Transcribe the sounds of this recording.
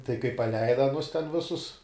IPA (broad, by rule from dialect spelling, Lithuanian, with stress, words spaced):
tɐɪ kɐɪ pɐˈlʲɛɪdɐ ɐˈnʊs tʲɛn ˈʋʲɪsʊs